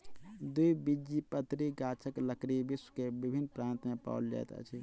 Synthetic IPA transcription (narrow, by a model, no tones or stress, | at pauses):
d̪uibid͡ʒipət̪ɾiɡat͡ʃʰəkləkɾibisə̥kebibʱinːpɾaːnt̪mẽpa̰ʊld͡ʒa̰j̰t̪ə̰t͡ʃʰi